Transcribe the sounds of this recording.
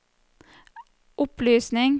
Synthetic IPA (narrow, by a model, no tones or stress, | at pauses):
ʔʊplyːsnɪŋ